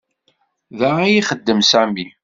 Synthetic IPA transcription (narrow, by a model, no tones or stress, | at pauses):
ðaʁæjiχəd̪ːəmsæmi